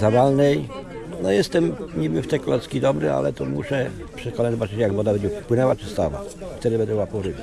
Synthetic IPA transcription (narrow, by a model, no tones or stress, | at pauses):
zad̪alnɛj | nɔjɛst̪ɛmɲibɘft̪ɛkɔlɛt̪skʲid̪ɔbɾɪ̰a̰lɛt̪ɔmṵʂɛ | pʂɛkɔnad͡ʑzɔbat͡ʂɘt͡ɕɛjaɡbɔd̪abɛd͡ʑɛpwɘnɛwat͡ʂɪst̪awa̰ft̪ɛd̪ɪbɛnd̪ɛbuwapɔɾɪkʲi